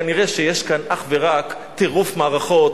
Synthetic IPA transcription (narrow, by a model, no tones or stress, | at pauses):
aniʁeʃejeʃkanaχveʁak | t̪eʁufmaːʁaχo̞t